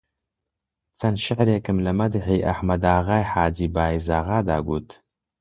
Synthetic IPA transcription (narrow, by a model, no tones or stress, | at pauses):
t͡sɐnʃɪʕɾeːkɨmlɐmɐd̪ɨħiːʔɐ̰ħmɐd̪aːɣaːjħaːd͡ʒiːbaːizaːɣaːd̪a̰ːɡuːt̪